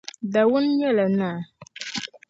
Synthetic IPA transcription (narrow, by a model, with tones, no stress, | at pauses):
da˨wu˦nɲɛ˦˨la˨na˦˨